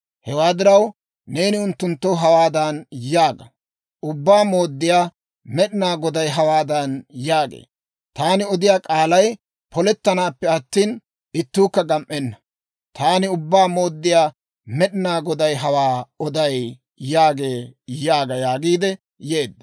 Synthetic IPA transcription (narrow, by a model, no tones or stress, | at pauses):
hɛwaːd̪ɪɾɐw | ne̞ːnɪʊnt̪ːʊnt̪ːɔɦɐwaːd̪ɐnjaːɡɐ | ʔʊbːaːmo̞ːd̪ːɪjaː | mɛɗɪnaːɡɔd̪ɐjɦɐwaːd̪ɐnjaːɡḛː | t̪aːnɪɔd̪ɪjaːkʼaːlɐj | pʰɔlɛt̪ːɐnaːpːɛɐt̪ːiːn | ɪt̪ːuːkːɐɡɐmʔɛnːɐ | t̪aːnɪʊbːaːmo̞ːd̪ːɪjaː | mɛɗɪnaːɡɔd̪ɐjɦɐwaːɔd̪ɐj | jaːɡe̞ːjaːɡɐjaːɡiːd̪ɛ | je̞ːd̪ːɐ